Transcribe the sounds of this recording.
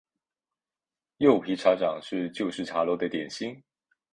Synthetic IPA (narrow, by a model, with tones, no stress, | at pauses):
jo˥˩ʊpʰi˧˥ʈ͡ʂʰa˧˥ʈ͡ʂɑ˨˩ŋʂɻ̩˥˧t͡ɕjo˥˧ʊʂɻ̩˥˩ʈ͡ʂʰa˧˥lwɔ˧˥d̪ə˨t̪jɛ˨˩nɕi˥ŋ